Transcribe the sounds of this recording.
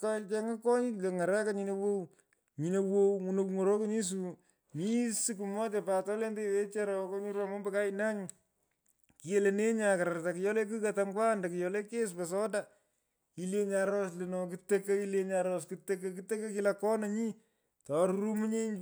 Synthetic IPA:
kat͡ʃɛ˦ŋa˦kɔ˦ɲi˦le˨ŋa˨ɾa˦kaɲi˨no˨wo˦w | ɲi˨no˨wowŋu˨no˨kŋo˨ɾo˦ko˦ɲi˦s̬u˨ | mi˦su˦ku˨mɔ˦t͡ʃɛpa˨tɔ˦le˦nde˦iwe˦t͡ʃa˦ɾɔ˨kɔ˦ɲu˦ɾwamɔ˦mbe˦ka˦ɪna˦ɲ | ki˨e˦le˨ne˦ɲa˨kaɾaɾta˨ki˨jɔ˦le˦k̬u˦katamkwa˦nda˨kɪ˨jɔle˦ke˦spa˨s̬ɔ˦da | i˦le˦ɲa˨ɾɔ˦sle˨nɔki˦te˦ka˦i˦le˧ɲaɾɔskɨte˦ke˦ki˦te˦ke˦ki˦lakɔ˦naɲi˦ | tɔ˨ɾɾu˦mu˦ɲe˦ɲ

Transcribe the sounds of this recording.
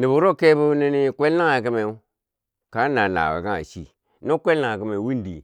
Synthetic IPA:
ni˨bu˨ɾo˦˨ke˦bu˦ni˦ni˦kʷe˦lna˦ŋa˨k̬i˦me˨u˦ | ka˨˦na˨na̰˨wa̰˨ka˦a̰˨ʃḭ˦ | no˦kʷe˦lna˦ŋa˨k̬i˦me˨wi˦ndḭ˨

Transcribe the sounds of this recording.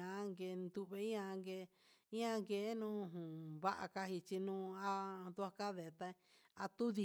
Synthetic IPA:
ã˨˦ŋɡe˧nd̪u˧βe˧˦ã˧ŋɡe˧ | ĩ˦ã˧ŋɡe˨˦nũː˦˧ɦũ˨βa˦ʔa̰˧ka˧hi˧t͡ʃi˧nũː˦˧a˧d̪u˧a˧ka˦ðe˨t̪a˧ | a˧t̪u˦ði˧

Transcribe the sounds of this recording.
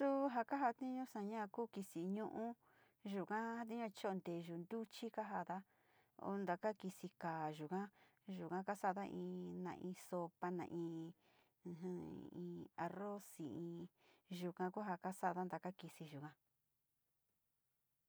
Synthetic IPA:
su˦ɦa˧ka˦ɦa˧t̪ĩ˦ɲũ˦sã˧ɲã˦˧kuː˦ki˧si˨ɲũ˦ʔũ˦ | ʒu˨kã˦a˧t̪ĩ˦ɲũ˧t͡ʃo˦o˧nd̪e˨ʒu˨nd̪u˦t͡ʃi˦ka˦ɦa˧ða˦ | o̰˧nd̪a˨ka˦ki˧si˧kaː˨ʒu˨kã˦ | ʒu˨kã˦ka˦sa˦˧ða˦ʔḭ̃ː˧nã̰˨ʔĩː˧so˧pa˧nã̰˨ʔĩ˧ | ɦĩ˧a˧ro˦si˨ĩ˧ʒu˨kã˧ku˦ɦa˧ka˦sa˦˨˧ða˦nd̪a˨ka˦ki˧si˧ʒu˨kã˧

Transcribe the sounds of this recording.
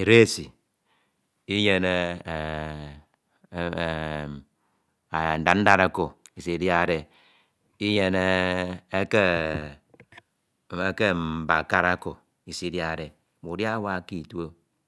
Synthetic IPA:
i˨ɾe˦˨si˨ | i˦je˨ne˦˨ | n̩˨da˨˦n̩˦da˦ɾa˦ko˨i˨si˨dja˨de˨ | i˦je˨ne˦e˦ke˦ | e˦ke˦m̩˨ba˨ka˦ɾa˦ko˨ | i˨si˦dja˨de˨ | mu˨dja˦wa˦˨˦ki˦˨tu˦o˦

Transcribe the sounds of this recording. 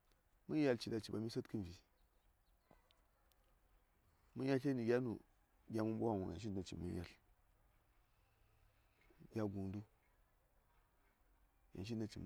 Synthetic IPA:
mu˦ja˨lt͡ʃi˨da˨t͡ʃi˨ba˨mi˦sa˦tki˦n˨vi˨ | mu˦ja˦ɬe˦ni˨ɡʲa˦nu˨ | ɡʲa˦mu˦mbu˦a˦wu˨a̰˨n˨ʃ̬i˦˨na˨t͡ʃḭ˨mːṵ˦ja̰˦˨l | ɡʲa˦ɡu˨ndu˦ | ja̰˨nʃ̬i˦na˨t͡ʃi˨m˨

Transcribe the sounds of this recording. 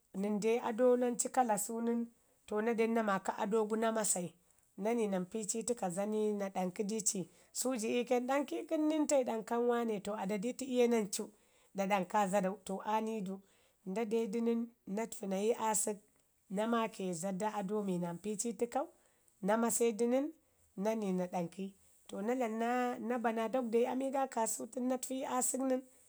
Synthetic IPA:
ni˨nde˦a̰˨do˦na˦nt͡ʃi˦ka˦la˨su˦ni˦n | to˨na˦de˦nːa˦ma˨ka˦ʔa̰˨do˦ɡu˦na˦ma˦sa˨i˨ | na˦ni˨na˨mpi˦t͡ʃi˦ti˦ka˨za˦ni˦na˨ɗa˨ŋki˦di˦t͡ʃi˨ | su˦d͡ʒi˨i˦ke˦nɗa˦ŋki˦ki˦nːi˦nta˦i˨ɗa˨ŋka˦nwa˦ne˨to˨a˨da˨di˦ti˦i˦je˦na˦nt͡ʃu˦ | da˨da˨ŋka˦za˦da˨u˨to˨ʔa˦ni˦du˦ | nda˦de˦di˦ni˦nːa˦tfi˨na˨ji˦ʔa˦si˦k̚ | na˦ma˦ke˨za˨da˦a˨do˦mi˨na˨mpi˦t͡ʃi˦ti˦ka˦u˦ | na˦ma˦se˦di˦ni˦nː | a˦ni˨na˨ɗa˨ŋki˦ | to˨na˦la˨la˦na˦ba˨na˨do˦k̚da˨i˦a˦mi˦ɡa˦ka˨su˦ti˦nːa˦tfi˦ji˦ʔa˦si˦kni˦n

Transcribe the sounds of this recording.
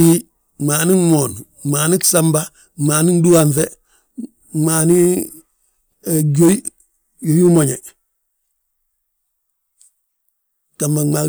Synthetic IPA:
i˦ | ŋ͡maː˨ni˦ŋmoː˨n | maː˨ni˦ksa˦mba˦ | ŋ͡maː˨ni˦ndu˦wa˨ɱfe˦ | maː˨ni˦ | e˨ɡo˦i˦ | jo˨ju˦mo˨ɲe˨ | ka˨ma˨ŋ͡ma˨

